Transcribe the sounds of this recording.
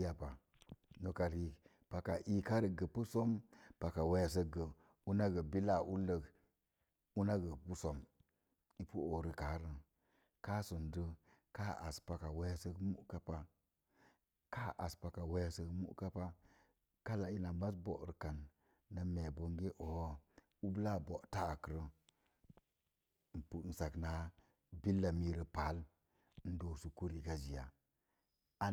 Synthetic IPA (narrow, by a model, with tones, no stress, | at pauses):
ja˨pa˨ | no˨ka˨ɾi˨ | pa˨ka˨ʔi˦ka˦ɾə˨ɡə˨pu˦so˦mpa˨ka˨we˦ja˨s̬ə˦ɡə˨ | u˦na˦ɡə˨bi˦la˨ʔu˦lə˨ɡ | u˦na˦ɡə˨pu˦so˦m | i˦pu˦o˨ɾə˨ka˨˦ɾə˨ | ka˦su˨ndə˦ka˦a̰˨spa˨ka˨wa˦ja˦sə˦ɡmṵ˦ka˦pa˦ | ka˦ʔa̰˨spa˨ka˨we˦ja˦sə˦ɡmṵ˦ʔka˦pa˦ | ka˦la˨i˦na˨ba˦sbo̰˨ɾə̰˨ka˨nː | a˨me˨bo˨ŋɡe˦ʔo˨˦ | u˦bla˦˨bo˨ʔta˦a˨kə˨ɾə˦ | n̩˨pu˨˦n̩˨sa˨kna˨˦ | bi˦lːa˨mi˦ɾə˨pa˨˦l | n̩˦do˨su˨ku˦ɾi˨ka˦zi˨ja̰˨ | a˦